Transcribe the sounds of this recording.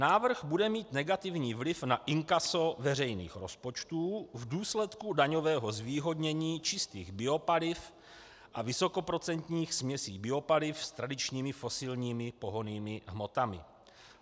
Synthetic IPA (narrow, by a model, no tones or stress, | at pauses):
naːvr̩ɣbudɛmiːt̪nɛɡat̪ɪvɲiːvlɪfnaʔɪŋkaso̞vɛr̝ɛjnḭːxɾo̞spo̞t͡ʃt̪uːvduːslɛt̪kudaɲo̞vɛːɦo̞zviːɦo̞dɲɛɲiːt͡ʃɪst̪iːɣbɪo̞palɪf | ʔavɪso̞ko̞pɾo̞t͡sɛnt̪ɲiːxsmɲɛsiːbɪo̞palɪfst̪ɾadɪt͡ʃɲiːmɪfo̞sɪlɲiːmɪpo̞ɦoniːmɪɦmo̞t̪amɪ̰